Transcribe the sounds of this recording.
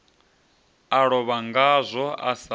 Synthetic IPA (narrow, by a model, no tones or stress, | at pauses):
aɺɔβaŋɡazʷɔa̰sa